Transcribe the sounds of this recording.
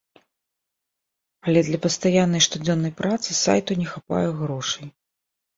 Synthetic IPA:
ɐlʲɛd̪lʲɐpɐst̪ajanːɐjʂt̪ud͡zʲɔnːɐjpɾat̪sɨsa̰jt̪unʲɛxapa̰jɛɣɾɔʂɐj

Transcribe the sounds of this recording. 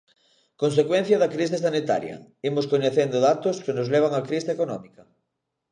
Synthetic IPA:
kons̬ekwẽn̟θjɐðɐkɾis̬is̬anit̪a̰ɾjɐ̰imoskoɲeθend̪oðat̪oskenozleβ̞aŋakɾiseekonɔmikɐ

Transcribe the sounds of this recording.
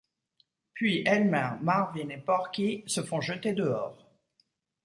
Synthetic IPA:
pɥiʔɛlmɛ̃maʁvinepɔʁkʲisəfɔ̃ʒət̪ed̪əɔːʁ

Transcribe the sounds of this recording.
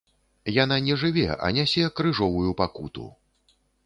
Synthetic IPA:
jananʲɛʐɨvʲɛ̰ɐ̰nʲasʲɛkɾɨʐɔvujupakut̪ṵ

